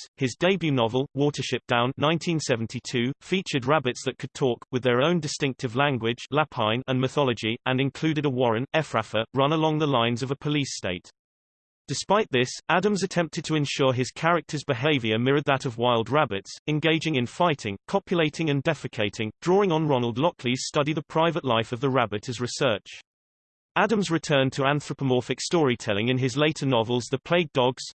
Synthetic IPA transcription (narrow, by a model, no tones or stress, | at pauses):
hɪzdeɪbjʉnɒvəlˠwɔˑtəʃɪp̚d̥ãʊ̃nːãɪ̃ntʰĩnsɛvn̩tʰitʰʉːfiˑt͡ʃəd̚ɹabɪtsðəʔ̚kʰɨd̚tʰɔˑkwɨðəɹõʊ̃ndɪstɪ̃ŋk̚tɨvlæ̃ŋɡwɪ̥d͡ʒlapʰãɪ̃nə̃nmɪθɒləd͡ʒiʔə̃nɨ̃nkʰl̥ʉːɾɪɾəwɒɹə̃nɛfɹafəɹʌ̃nəlɒ̃ŋðəlãɪ̃nzəvəpʰəliˑsteɪʔ | d̥ɪspaɪʔ̪̚ðɪsadə̃mzətʰɛ̃mp̚tʰɨd̚tʰəɨ̃nʃɔɹɪz̥kʰaɹɪk̚tʰəzbɪɦeeɪvjə˞mɪɹəd̪̚ðəɾʌvwaɪlˠd̚ɹabɪtsɨ̃nɡeɪd͡ʒɪ̃ŋɨ̃nfaɪtɪ̃ŋkʰɒpʰjəleɪtʰɪ̃ŋɨ̃ndɛfɨkʰeɪtʰɪ̃ŋdɹɔːɪ̃ŋə̃nɹɑnəlˠdˡlɒkʰliz̥stʌɾiðəpʰɹ̥aɪvəʔˡlaɪfəvðəɹabɨɾʰɨzɹɨsɜˑ˞t͡ʃ | adə̃mzɹɨtʰɜ̃ː˞ntʰəæ̃nθɹəpəmɔˑfɨkstɔːɹitʰɛlˠɪ̃ŋɨ̃nɪzleɪtənɒvəl̩ˠzðəpʰl̥eɪɡ̚dɒɡz̥